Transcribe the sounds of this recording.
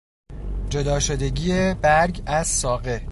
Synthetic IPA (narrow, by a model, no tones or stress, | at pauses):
d͡ʒod̪ɒːʃo̞d̪e̞ɟiːebæɾɟæz̥sɒːɣe̞